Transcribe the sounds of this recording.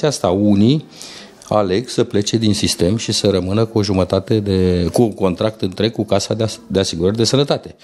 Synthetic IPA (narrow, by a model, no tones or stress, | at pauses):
t͡ʃiast̪auni | a̰le̞ɡsəple̞t͡ʃe̞d̪insist̪e̞mʃisəɾəmɨnəkuo̞ʒumət̪at̪e̞d̪e̞kuŋko̞nt̪ɾak̚t̪ɨnt̪ɾe̞ɡ̚kukasad̪d̪e̞asiɡuɾərd̪e̞sənət̪at̪e̞